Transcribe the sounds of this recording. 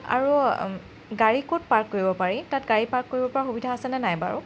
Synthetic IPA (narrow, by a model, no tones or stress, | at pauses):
a̰ɹu | ɡaɹikot̚paɹkːoɹibɔpaɹitatɡaɹipaɹkːoɹibɔpɔɹaxubidʱaːsɛnɛnajba̰ɹʊ̰